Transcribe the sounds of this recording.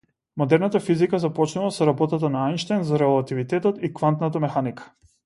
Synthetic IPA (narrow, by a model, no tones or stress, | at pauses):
mɔd̪ɛɾnat̪afizikazapɔt͡ʃnulˠasɔɾabɔt̪at̪anaajnʃt̪ajnzaɾɛɔlˠat̪ivit̪ɛt̪ɔt̪ikvant̪nat̪amɛxanikḁ